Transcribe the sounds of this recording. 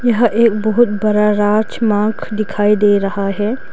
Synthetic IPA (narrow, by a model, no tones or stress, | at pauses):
jɐɦʔeːkbɐɦʊt̪bɐɾaɾaːɾt͡ʃmãːkʰd̪ɪkʰaːid̪eːɾɐɦaɦɛː